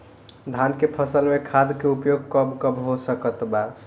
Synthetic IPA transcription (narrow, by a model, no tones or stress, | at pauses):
d̪ʱankepʰəsəlmekʰad̪keupjoɡ̚kəbkəbɦosəkət̪ba